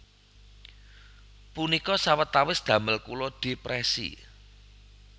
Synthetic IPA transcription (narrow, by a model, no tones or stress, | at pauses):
punikɔsawət̪ːawɪsd̪̥ä̤məlkulod̪̥e̤pɾɛsḭ